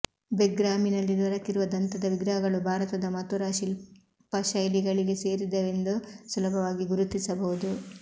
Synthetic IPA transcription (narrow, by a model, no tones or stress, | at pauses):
beɡɾaːminɐlːid̪ʋɐɾɐkiɾuʋɐd̪ɐnt̪ɐd̪ɐʋiɡɾɐɦɐɡɐɭubʱaːɾɐt̪ɐd̪ɐmɐt̪uɾaːʃil | pɐʃɐjliɡɐɭiɡe̞se̞ːɾid̪ɐʋe̞nd̪usulɐbʱɐʋaːɡiɡuɾut̪ːisɐbɐɦud̪u